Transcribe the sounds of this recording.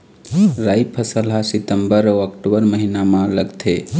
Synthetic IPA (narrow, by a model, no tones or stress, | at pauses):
ɾaːjpʰəsəlɦasɪt̪əmbəɾoakʈobəɾməɦinamãləɡt̪ʰe